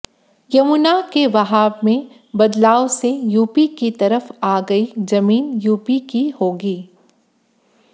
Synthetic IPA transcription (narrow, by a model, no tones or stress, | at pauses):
jɐmunakeʋɐɦaːbmẽ | bɐd̪laːʋsejuːpikit̪ɐɾəfaːɡɐizɐmiːnjuːpikihoːɡiː